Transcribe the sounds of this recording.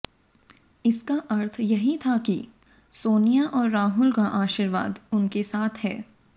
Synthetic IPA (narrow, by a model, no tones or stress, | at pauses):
ɪskaʔɐɾt̪ʰjɐɦit̪ʰaki | soːnijaʔɔːɾːaːɦʊlkaʔaːʃiɾʋa̰ːd̪ʊnkesaːt̪ʰɦɛ̰ː